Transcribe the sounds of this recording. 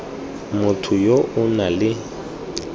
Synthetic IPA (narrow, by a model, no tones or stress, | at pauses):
mʊtʰʊjoʊnalɪ